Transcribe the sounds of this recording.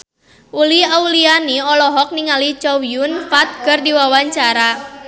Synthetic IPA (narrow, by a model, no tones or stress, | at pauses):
ʔuliaulianiɔlɔɦɔk̚niŋalit͡ʃɔwiunfat̪̚kɨrdiwawaɲt͡ʃaɾa